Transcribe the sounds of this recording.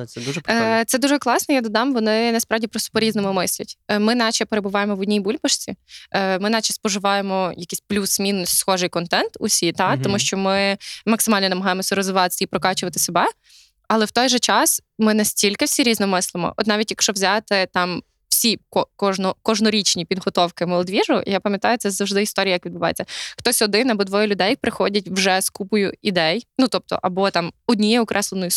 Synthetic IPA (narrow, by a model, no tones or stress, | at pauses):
ɛd̪uʒpt̪ɛd̪uʒɛklˠɑsnɔjad̪ɔd̪ɑmʋɔnɪnɐspɾɑwdʲipɾɔst̪ɔ̥pɔɾʲiznɔmʊmɪsʲlʲɐtʲmɪnɑt͡ʃɛpeɾebʊʋɑjemɔʋʊdʲnʲijbulʲbɐʃt͡sʲimɪnɑt͡ʃɐspɔʒɪʋɑjemɔjɐkʲisʲplʲusmʲinɔsʲsxɔʒɪjkɔnt̪ɛnt̪ʊ̰sʲit̪ɑt̪ɔmuʃt͡ʃɔmɪmɐksɪmɑlʲnɔnɐmɐɦɑjemɔsʲɐɾɔzʋɪʋɑt̪ɪsʲɛipɾɔkɑt͡ʃʊʋɐt̪ɪ̥sebɛ | ɐlˠɛwt̪ɔjʒɛt͡ʃɑs | mɪnɛsʲtʲilʲkɪwsʲiɾʲiznɔmɪslˠɪmɔ̰ʔɔ̰t̪nɑʋʲitʲjɐkʃt͡ʃɔʋzʲat̪ɪt̪ɑm | w̥sʲikɔkɔʒnɔkɔʒnɔɾʲit͡ʃnʲipʲid̪ɦɔt̪ɔwkɪmelˠɔd̪ʋʲiʐʊ̰japɐmjɐt̪ɑjʊt̪sɛzɐwʒd̪ɪist̪ɔɾʲijɐjɐkʋʲid̪bʊʋɑjḛt͡sʲːɐxt̪ɔsʲɔd̪ɪnɐbɔd̪ʋɔjɛlʲʊd̪ɛjpɾɪxɔdʲɐt̚ʲwʒɛskupʊjʊid̪ɛjnut̪ɔp̚t̪ɔ̰ʔɐbɔt̪ɑmɔdʲnʲijɛɔkɾʔɛslˠenɔjʊ